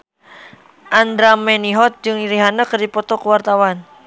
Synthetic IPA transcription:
ʔand̪ɾamɛniɦɔt̪̚d͡ʒɨŋniɾiɦanəkərdipɔt̪ɔkəwart̪awan

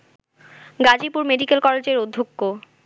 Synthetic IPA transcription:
ɡad͡ʑipuɾmeɖikelkɔled͡ʑeɾod̪ʱːokːo

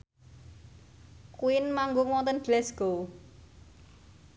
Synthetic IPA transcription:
kuɪnmaŋɡʊŋwɔnt̪ənɡ̥lɛsɡ̥o

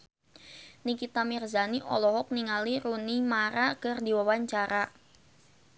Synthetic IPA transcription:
nikit̪amirzaniʔɔ̰lɔɦɔk̚niŋaliɾunimaɾakərdiwawaɲt͡ʃaɾa

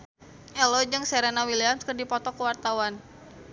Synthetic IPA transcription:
ʔɛlɔd͡ʒɨŋsɛɾenawiliamskərdipɔt̪ɔkəwart̪awan

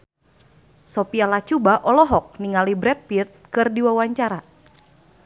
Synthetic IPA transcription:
sɔpialat͡ʃubaʔɔlɔɦɔk̚niŋalibɾɛt̪̚pit̪̚kɨrdiwawaɲt͡ʃaɾa

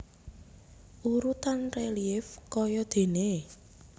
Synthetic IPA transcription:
ʔuɾut̪anreliɪfkɔjɔd̪̥e̤ne

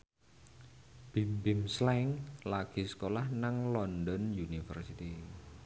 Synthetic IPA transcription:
b̥imbimslɛŋlaɡ̥i̤sə̥kolahnaŋlɔndɔnjunifə̰rsit̪i

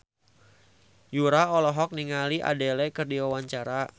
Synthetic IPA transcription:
juɾaɔlɔɦɔk̚niŋaliʔa̰delɛkɨrdiwawaɲt͡ʃaɾa

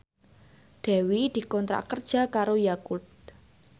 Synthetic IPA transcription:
d̪̥ɛ̤wid̪̥i̤kɔnt̪ɾa̰kərd̥ʒ̥a̤kaɾojakut̪̚

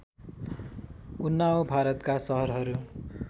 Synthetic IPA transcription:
unːawbʱaɾʌt̪kasʌɦʌrɦʌɾu

